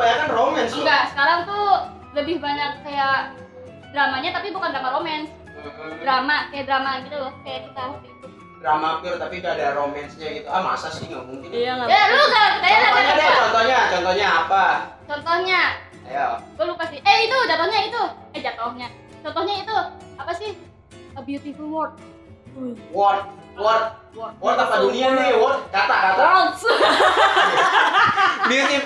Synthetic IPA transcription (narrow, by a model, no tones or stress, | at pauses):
paɲakanromɛnsɡasə̥kaɾaŋt̪u | ləbɪhbaɲarkaja | dɾamaɲat̪apibukandɾamaɾomɛns | ɾamakajaʔdɾamaɡit̪ulɔhkajaʔkit̪aukit̪ʊ | dɾamaɡʊrt̪apiɡaːdaɾomɛnsɲaɡit̪uama̰sasɪhŋa̰ʔmuŋkɪnajaluɡakajaaaaat͡ʃɔnt̪ɔhɲat͡ʃɔnt̪ɔhɲaːpat͡ʃɔnt̪ɔhɲa | jakəlukasɪhɛhit̪ud͡ʒat̪ɔhɲait̪u | ɛhd͡ʒat̪ɔhɲa | t͡ʃɔnt̪ɔhɲait̪uapasɪh | biut̪ifəwɔrt̪̚ | wɔrt̪̚ | wɔrt̪̚ | ɔwɔrt̪apadunianiwɔt̪̚kat̪aʔkat̪a | biut̪i